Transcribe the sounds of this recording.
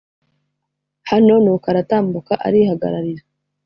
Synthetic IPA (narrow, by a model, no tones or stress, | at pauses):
hano̞nukaɾataːmbukaʔa̰ɾihaɡa̰ɾaɾiɾa